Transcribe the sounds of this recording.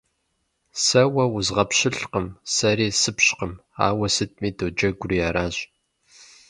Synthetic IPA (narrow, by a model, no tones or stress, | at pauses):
sɐwɐwʊzʁɐpɕɪɬqəmsɐɾiːsɨpɕqəma̰ːwɐsɨt̚ʰmiːdowd͡ʒɐɡʷʊrijaːɾaːɕʼ